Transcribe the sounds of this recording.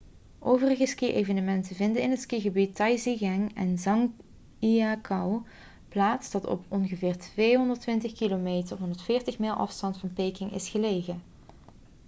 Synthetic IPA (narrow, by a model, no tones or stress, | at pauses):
ʔowvərəɣəskiʔejvənəmɛntəvɪndənɪnɦətskiɣəbitːɑjziɣɛŋɛ̰nzɑŋ | iakʰɑw | plaːtsd̥ɑtɔ̰pɔnɣəvɪːɹtʋejɦɔndəɹtʋɪntəχkilomejtərɦɔndəɹtfɪːɹtəχmɪːlˠʔɑ̰fstɑntfɑnpejkɪŋʔɪ̰sχəlejɣən